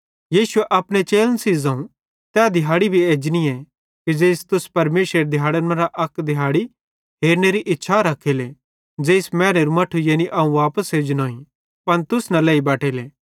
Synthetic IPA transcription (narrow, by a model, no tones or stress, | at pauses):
jiːsʊeʔɐpɽ̃et͡ʃeːlənsiːzãːũ | t̪ɛːd̪ʱɪɦaːɽibʱieːd͡ʒniɛ | kid͡ʒeːst̪ʊspɐɾmeːsɾeɾd̪ʱɪjɦaːɽənmɐ̃ɾaʔɐkd̪ʱɪɦaːɽi | ɦeːɾneɾiʔɪtːʃʰaɾɐkʰele | d͡ʒeːsmɛːɾeɾumɐʈʰujeːniʔɐũʋaːpəsɦeːd͡ʒnoːĩ | pɐnt̪ʊsnɐlɛːibɛːʈʰeːleː